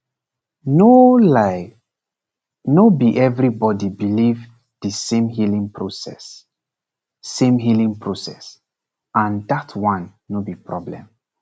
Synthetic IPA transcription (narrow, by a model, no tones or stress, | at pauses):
nolaɪ | nobiʔɛvɹibɔdibiliv | dəsẽmɦilĩŋpʰɹosɛ̰s | ẽmɦilĩŋpɹosɛ̰s | ãndatʰwãnːobipɹɔblɛ̰̃m